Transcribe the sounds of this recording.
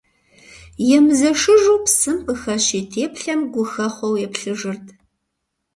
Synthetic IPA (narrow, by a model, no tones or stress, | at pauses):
jɛmɨzɐʂɨʒuːpsɨmpʰɨxɐɕiːtʰeːpɬɐmɡʷʊxɐχʷɔwjɛpɬɨʒɨrtʰ